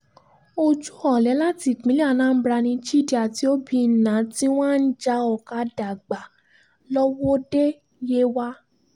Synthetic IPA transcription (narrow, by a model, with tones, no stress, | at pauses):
o˧d͡ʒu˦ɔ˦˨lɛ˨˦la˦ti˨k͡pĩ˨˦li˦a˦˨nãː˦˧˦bɾa˧nĩ˧d͡ʒi˦˨di˦a˨ti˨˦o˦bi˧˨nã˨˦ti˦w̃ã˦˨n̩˦d͡ʒa˧˦ɔ˨ka˧da˨ɡ͡ba˨ | lɔ˦wɔ˦de˦ | je˦wa˦